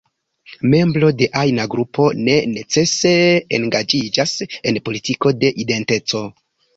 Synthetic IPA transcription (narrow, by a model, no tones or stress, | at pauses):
me̞mblo̞de̞ʔajnaɡɾupʰo̞ne̞ne̞t͡se̞se̞ḛnɡad͡ʒid͡ʒase̞npo̞litiko̞de̞ʔide̞nte̞t͡so̞